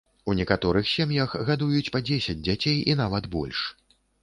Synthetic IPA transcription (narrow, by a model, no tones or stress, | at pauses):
unʲɛkat̪ɔɾɨxsʲamjaxɣad̪ujut͡sʲpɐd͡zʲesʲɐd͡zʲd͡zʲat͡sʲejinavɐd̪bɔ̰lʲʂ